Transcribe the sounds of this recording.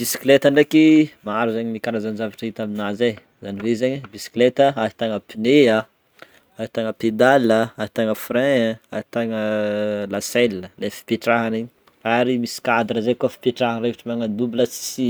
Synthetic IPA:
b̥isi̥klet̪aɳɖ͡ʐekimaaɾuzeɲinikanazand͡ʒavaʈ͡ʂəit̪aminaze | zaniɾezeɲibisi̥klet̪əaɦi̥t̪aŋəpinea | ait̪aŋəped̪alːəaɾi̥t̪aŋəfɾɛ̃ait̪aŋəlasɛləlefi̥peʈ͡ʂaɦaneɲi̥ | aɾimisi̥kad̪ɾəzekuafi̥pʲeʈ͡ʂaɦanrevaʈ͡ʂimaŋad̪ubiləsi̥si

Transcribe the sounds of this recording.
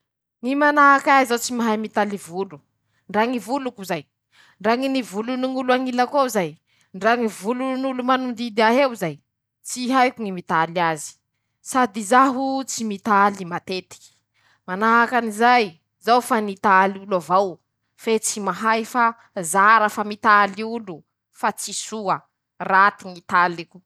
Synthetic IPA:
ŋimanaakaizawt͡simaɦajmit̪alivulu | ɳɖ͡ʐaŋivulukuzaj | ɳɖ͡ʐaŋinivuluniŋuluaŋilakawzaj | ɳɖ͡ʐaŋivulunulumanund̪id̪iaɦewzaj | t͡siɦajkuŋimit̪aliazi̥ | sad̪izaɦut͡simit̪alimat̪et̪i̥ | manaɦakanizaj | zawfanit̪aliulavaw | fet͡simaɦajfa | zaɾəfamit̪aliulu | fat͡sisuə | rat̪iŋit̪aliku

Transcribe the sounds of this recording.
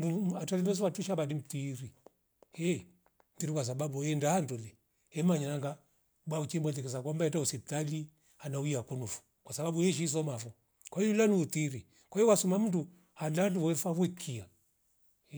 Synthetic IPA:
uatalindɛs̬ɔwatuʃabadim̩tiɾi | ɛ | mtiɾikwas̬aɓabuɛndahanduli | ɛmaɲanaŋɡa | ɓwaut͡ʃimbɔlɛkɛs̬akwambaɛtausɛp̚tali | anauiakunufu̥ | kwasaɓaɓuɛʃ̬is̬ɔmafɔ | kwaiulaniutiɾi | kwaiɔwasumam̩ndu | halaluwɛfaβwɛkʰia

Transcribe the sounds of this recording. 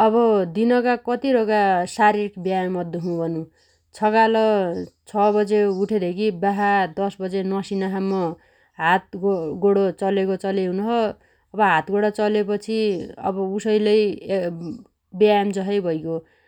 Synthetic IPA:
ʌbʌd̪inʌkakʌt̪iɾoɡasaɾirikbjajmmʌd̪ʱjoɦũbʱʌnũ | t͡sʰʌkalʌt͡sʰʌbʌd͡zeuʈʰed̪ʱekʰibaɦad̪ʌsbʌd͡zenʌsinaɦamːʌ | ɦat̪̚ɡoɽot͡sʌlekot͡sʌleɦunɦʌ | ʌbʌɦat̪ɡoɽʌt͡sʌlepʌt͡sʰiʌ̰bʌusʌjlʌj | bjajmd͡zʌɦʌjbʱʌjko

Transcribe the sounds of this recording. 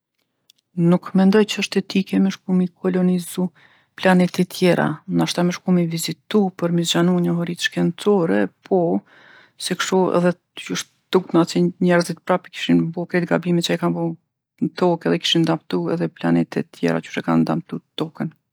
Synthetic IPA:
nukmɛnd̪ɔjt͡ɕəəʃt̪ɛt̪ikɛmɛʃkumikʰɔlɔnizu | planɛt̪ɛt̪ʰjɛɾʔa̰naʃt̪aməʃkumivizit̪upəɾmisd͡ʒanuɲəɦɔɾit̪ʃkɛnt͡sɔɾɛpʰɔ | sɛkʃuɛ̰ðɛ | uʃt̪ | t̪uk̚t̪nat͡sɛɲɛɾzit̪pɾapiki̥ʃinbɔkɾɛt̪̚ɡabimɛt̪t͡ʃajkanbɔ | t̪ɔkɛðɛki̥ʃind̪apt̪uɛ̰ðɛplanɛt̪ɛt̪ʰːjɛ̰ɾa̰t͡ʃu̥ʃt̪ɛkand̪amt̪ut̪ɔkən

